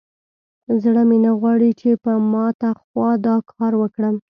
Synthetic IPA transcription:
zɽəmenaɣwɑɽit͡ʃepəmɑt̪axwɑd̪ɑkʰɑɾwəkɽəm

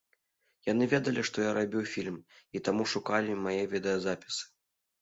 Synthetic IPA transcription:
jan̪ɨvʲɛd̪ɐlʲiʂt̪ɔjaɾabʲiwfʲilʲmit̪amuʂukalʲimajɛvʲɛd̪ɐjɐzapʲi̥sɨ̥

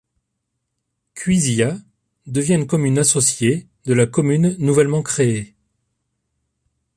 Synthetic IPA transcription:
kʲɥizia | d̪əvjɛ̃kɔmynasɔsje | d̪əlakɔmynːuvɛlmɑ̃kχee

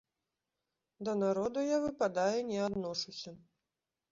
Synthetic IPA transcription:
d̪ɐnaɾɔd̪ujavɨpad̪ajunʲɛad̪nɔʂusʲɐ

